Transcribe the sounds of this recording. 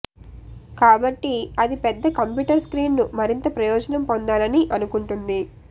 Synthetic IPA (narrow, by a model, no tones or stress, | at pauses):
kaːbɐʈːiɐd̪ipɛd̪ːɐkɐmpjuːʈɐɾskɾiːnnumɐɾint̪ɐpɾɐjɔːd͡ʒɐnɐmpond̪aːlɐniʔɐnukuɳʈund̪i